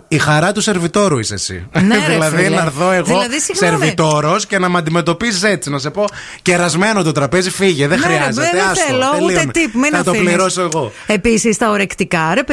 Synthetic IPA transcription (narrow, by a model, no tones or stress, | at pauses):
ixɐɾɐt̪use̞ɾvit̪o̞ɾuisesḭnðilɐðinɐɾθo̞e̞ɣoɐðisiseɾit̪o̞ɾo̞sce̞nɐmɐnd̪ime̞t̪o̞pisise̞t͡sinɐse̞po̞ | ce̞ɾɐzme̞not̪ot̪ɾɐpe̞zifiʝeðexɾiɐzet̪eɐsloelint̪ipminɐt̪opliɾosoeɣo̞episist̪ɐoɾekt̪ikɐɾep